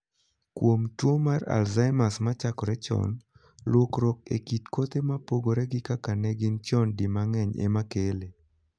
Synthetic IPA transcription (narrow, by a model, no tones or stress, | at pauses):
kwomtwomara̰lzaɪmasmat͡ʃakɔɾɛt͡ʃɔ̰n | lwokɾɔk̚ḛkitkot̪emapoɡoɾɛɡɪkakanɛɡɪnt͡ʃɔndɪmaŋɛɲḛmakele